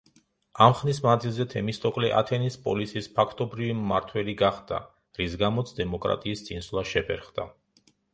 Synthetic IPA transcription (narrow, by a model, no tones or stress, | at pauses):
amχnismanzilˠzɛt̪ʰɛmist̪ʼɔkʼlɛʔa̰t̪ʰɛnispʼɔlisiːspʰakʰt̪ʼɔbɾivimːaɾt̪ʰwɛliɡaχd̪a̰ | ɾisɡamɔt̪sʰd̪ɛmɔkʼɾa̰t̪ʼiːst̪sʼinslˠaʃɛpʰɛ̰ɾχd̪a